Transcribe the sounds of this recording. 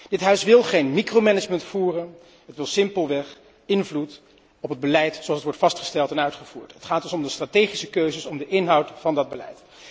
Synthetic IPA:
d̥ɪtɦœɥsʋɪlˠχejnmikromɛnəd͡ʒməntfuːrən | ɦətʋɪlˠsɪmpəlˠʋɛχ | ɪnvlut | ɔpəd̚bəlɛjtsoɑlsətʋɔɹtfɑstχə̥stɛlˠtɛnœɥtχəv̥ṵːɹtɦətχaːtɔsɔmdəstratejχisəkøɥzəsɔmdəʔɪnɦɑwtfɑndɑd̚bəlɛ̰jt

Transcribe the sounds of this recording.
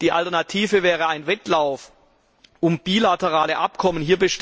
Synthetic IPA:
d̥iːʔa̰ltɛɐnatʰiːvəvɛːʁəaɪnvɛtlaʊf | ʔʊmb̥ilatəʁaːləʔapkʰɔmənhiːɐbəʃt

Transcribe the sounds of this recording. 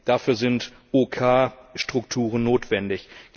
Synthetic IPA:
d̥aːfyːɐzɪnt | ʔoːkʰaːʃtʁ̥ʊktʰuːʁənnoːtv̥ɛndɪçɡ̥

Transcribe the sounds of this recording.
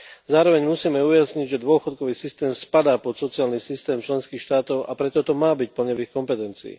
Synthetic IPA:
zaːɾɔʋɛɲmusiːmɛujasɲiɟʒɛd̪ʊɔxɔt̪̚kɔʋiːsist̪ɛːmspad̪aːpɔt̪sɔtt͡siaːlnisist̪ɛːmt͡ʃlɛnskiːxʃt̪aːt̪ɔʊʔa̰pɾɛt̪ɔt̪ɔmaːbic̚pl̩ɲɔʋixkɔmpɛt̪ɛnt͡sḭː

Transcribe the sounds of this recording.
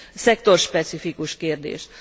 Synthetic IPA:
sɛk̚t̪o̞rʃpɛt̪sifikuʃkeːrd̪ḛːʃ

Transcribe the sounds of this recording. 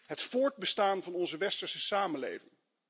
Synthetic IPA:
ɦətfʊːɹd̚bəstaːnvɑnɔnzəʋɛstəɹsəsaːmənlḛjvɪŋ

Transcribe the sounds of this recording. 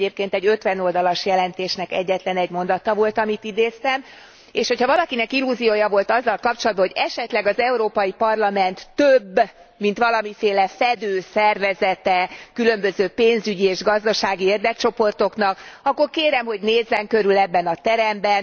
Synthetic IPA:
eːp̚keːnt̪ɛɟø̞t̪ʋɛno̞ld̪ɒlɒʃjɛlɛnt̪eːʃnɛkɛ̰ɟːɛt̪lɛnɛɟmo̞nd̪ɒt̪ɒvo̞lt̪ɒmit̪id̪eːst̪ɛm | eːʃho̞chɒvɒlɒkinɛkilːuzioːjɒvo̞lt̪ɒzːɒlkɒp̚t͡ʃolɒd̪̚bɒɦoɟɛʃɛt̪lɛɡɒzɛuɾoːpɒjipɒrlɒmɛnt̪ːøbːmint̪ʋɒlɒmifeːlɛfɛd̪øːsɛrvɛzɛt̪ɛkylømbøzøːpeːnzyɟieːʒɡɒzd̪ɒʃaːɡieːrd̪ɛk̚t͡ʃo̞po̞rt̪o̞knɒkɒkːo̞rkeːɾɛmɦo̞ɟneːzːɛŋkø̞ɾylɛbːɛnɒt̪ɛɾɛmbɛn

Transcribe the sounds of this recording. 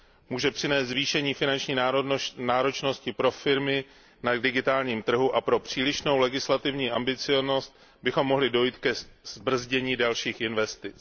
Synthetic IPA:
muːʒɛpr̥ɪnɛːst̪zviːʃɛɲiːfɪnant͡ʃɲiːnaːɾo̞t͡ʃno̞scɪpɾo̞fɪɾmɪ | nadɪɡɪt̪aːlɲiːmt̪r̩ɦuʔapɾo̞pr̝̥iːlɪʃno̞wlɛɡɪslat̪ɪvɲiːʔambɪt͡sɪjono̞st̪̚ | bɪxo̞mːo̞ɦlɪdo̞jiːt̪kɛz̥br̩zɟɛɲiːdalʃiːxɪnvɛst̪ɪt͡s

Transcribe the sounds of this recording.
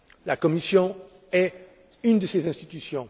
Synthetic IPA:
lakɔmisjɔ̃ | ɛ | ynd̪əsezɛ̃st̪it̪ysjɔ̃

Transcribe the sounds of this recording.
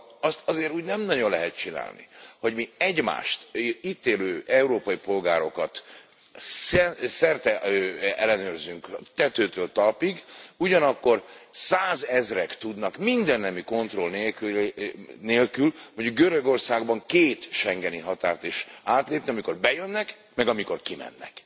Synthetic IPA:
ɒst̪ɒzeːɾuːɟnɛmnɒɟo̞nlɛɦɛt̪̚t͡ʃina̰ːlnḭho̞ɟmiɛɟma̰ːʃt̪iːt̪eːløːʔɛuɾoːpɒjipo̞lɡaːɾo̞kɒt̪ | sɛsɛrt̪ɛøɛlːɛnøːrzyŋkt̪ɛt̪øːt̪øːlt̪ɒlpiɡuɟɒnɒkːo̞rsaːzɛzrɛkt̪ud̪nɒkmind̪ɛnːɛmiko̞nt̪ro̞lneː | neːlkyloɲɟuɡ̚ɡøɾø̞ɡo̞rsaːɡbɒŋkeːt̪ʃɛŋɡɛniɦɒt̪a̰ːrt̪iʃaːt̪leːpniɒmiko̞rbɛjønːɛk | mɛɡɒmiko̞rkimɛ̰nːɛ̰k

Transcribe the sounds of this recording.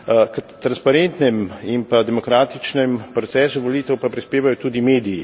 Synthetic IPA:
kət̪ːɾanspaɾent̪nɛmimpad̪ɛmɔkɾaːt̪it͡ʃnɛmpɾɔt̪sɛːsuʋoliːt̪ɛwpapɾispeːʋajɔt̪uːd̪imeːd̪iji

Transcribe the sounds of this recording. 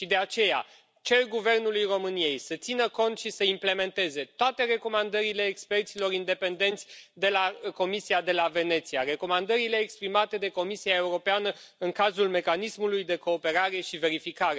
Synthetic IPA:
ʃid̪e̞at͡ʃe̞ja̰ | t͡ʃe̞rɡuve̞rnulujro̞mɨnije̞jsət̪sinəko̞nt̪ʃisəimple̞me̞nt̪e̞ze̞t̪oat̪e̞re̞ko̞mand̪əɾile̞ːkspe̞rt̪silo̞ɾind̪e̞pe̞nd̪e̞nt̪sʲd̪e̞lako̞misiad̪e̞lave̞ne̞t̪sijare̞ko̞mand̪əɾile̞ːkspɾimat̪e̞d̪e̞ko̞misiae̞uɾo̞peanəɨŋkazulme̞kanismulujd̪e̞ko̞ːpe̞ɾaɾe̞ʃive̞ɾifikaɾe̞

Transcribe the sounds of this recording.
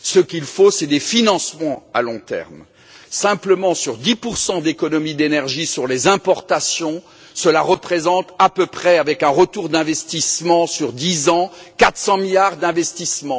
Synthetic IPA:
səkʲilfosɛd̪efinɑ̃smɑ̃a̰lɔ̃t̪ɛ̰ʁm | sɛ̃pləmɑ̃syʁd̪ipuʁsɑ̃d̪ekɔnɔmid̪enɛʁʒisyʁlezɛ̃pɔʁt̪asjɔ̃ | səlaʁəpχezɑ̃t̪apøpχɛavɛkɛ̃ʁət̪uʁd̪ɛ̃vɛst̪ismɑ̃syʁd̪izɑ̃kat̪χsɑ̃miljaʁd̪ɛ̃vɛst̪ismɑ̃

